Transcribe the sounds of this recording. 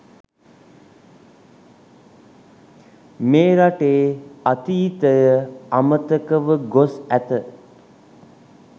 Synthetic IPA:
meːɾaʈeːat̪iːt̪əjəamət̪əkəʋəɡosæt̪ə

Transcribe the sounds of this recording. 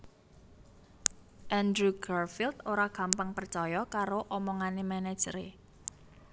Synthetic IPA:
ʔɛndɾuɡarfilt̪oɾaɡ̥a̤mpaŋpərt͡ʃɔjɔkaɾoʔɔmɔŋanemɛnɛ̥d͡ʒ̥ɾḛ

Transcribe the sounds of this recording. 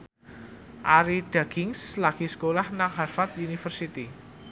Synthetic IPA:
ʔaɾiɖ̥a̤ɡ̥ɪŋslaɡ̥iskolahnaŋɦarfat̪unifərsit̪i

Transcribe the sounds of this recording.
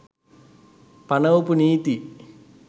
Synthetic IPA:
pɐnɐwpuniːt̪i

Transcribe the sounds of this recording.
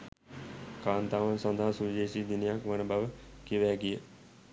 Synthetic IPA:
kaːnt̪aːʋansɔnd̪aɦasud͡ʒeːsiːd̪inijakʋənəbʱaʋəkiʋæːɡijə

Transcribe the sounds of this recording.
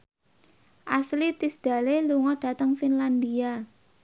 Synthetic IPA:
ʔaslit̪isd̪̥a̤leluŋɔɖ̥a̤t̪əŋfinland̪ia

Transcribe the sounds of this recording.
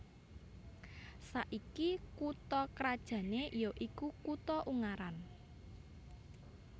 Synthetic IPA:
saʔikikut̪ɔkɾad̥ʒ̥ä̤neʔijoʔikukut̪ɔʔuŋaɾan

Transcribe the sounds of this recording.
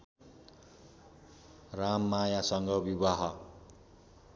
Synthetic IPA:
ramːajasʌŋɡʌbibaɦʌ

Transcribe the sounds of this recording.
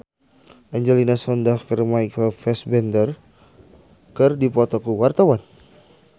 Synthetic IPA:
ʔaɲd͡ʒɛlinasɔndafirmajkəlfɛsbɛndər | kɨrdipɔt̪ɔkuwart̪awan

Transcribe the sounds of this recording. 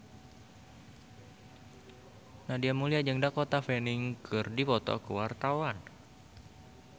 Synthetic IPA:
nahdiamuliad͡ʒəŋdakot̪afenɪŋkʰɨrdipɔt̪ɔ̰kəwart̪awan

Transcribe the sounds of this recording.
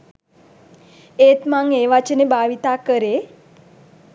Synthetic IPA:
et̪maŋeʋat͡ʃənebaʋit̪akəɾe

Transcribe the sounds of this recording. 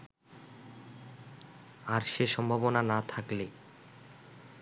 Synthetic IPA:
aɾʃeʃɔmbʱabonanat̪ʰakle

